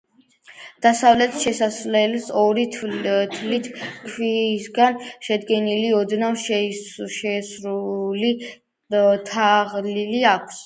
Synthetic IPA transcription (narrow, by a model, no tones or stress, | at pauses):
d̪̥asavlɛt̪ʰʃɛsaslɛlsɔɾit̪ʰlit̪ʰkʰwisɡanʃɛd̪ɡɛniliɔd̪namʃʃɛsɾuli | t̪ʰaʁliliakʷʰs